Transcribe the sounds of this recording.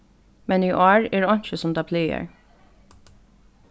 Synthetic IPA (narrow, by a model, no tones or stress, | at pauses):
mɛniːʔɔːɹɛːɹɔɲ̥t͡ʃəsʊmd̪ɑːpʰliːə̰ɹ